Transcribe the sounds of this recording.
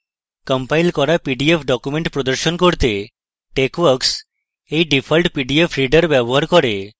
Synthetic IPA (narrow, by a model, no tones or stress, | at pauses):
kəmpajlkɔɾapiɖiepʰɖɔkumeɳʈpɾɔd̪əɾʃɔnkoɾt̪e | ʈekʋəɾks | ejɖipʰɔlʈpiɖiepʰɾiɖəɾbjɔbɔɦaɾkɔɾe